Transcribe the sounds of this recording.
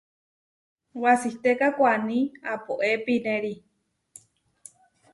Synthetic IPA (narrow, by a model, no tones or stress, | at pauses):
wasiht̪ekakʷanĩapoʔepineɾi